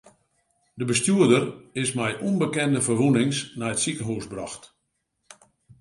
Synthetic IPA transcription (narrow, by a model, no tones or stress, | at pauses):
dəbəstjuədərɪsmɛjʔunbəkɛndəfərʋunɪŋsnajətsikəɦuːsbrɔ̰xt